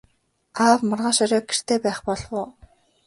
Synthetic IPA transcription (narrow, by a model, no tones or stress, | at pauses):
aːpmʊrʁaːʃœɾʲɔːk̚ɡer̥t̪ʰeːpæːχpɔɮwʊː